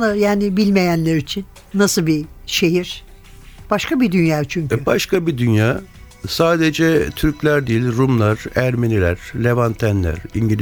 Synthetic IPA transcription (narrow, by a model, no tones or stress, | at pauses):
najaːnɪbilʲme̞jænlʲeɾit͡ʃʰinːasɯlˠbiʃe̞ɦiɾ̥ | b̥aʃkabid̪ynjaːt͡ʃʰyɲcybaʃkʰabid̪ynjaː | saːd̪ed͡ʒɛt̪ʰyɾclʲæɾd̪ijilʲɾumlˠaɾ̥æɾmenilʲæ̰ɾ̥lʲevant̪ʰænlʲæ̰ɾiɲɟilʲ